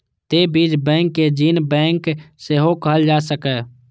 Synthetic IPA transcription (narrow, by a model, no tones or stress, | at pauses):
t̪ebiːd͡ʒbɛ̃ːŋkːed͡ʒiːnbɛ̃ːŋkseɦokəɦəld͡ʒaːsəkɛ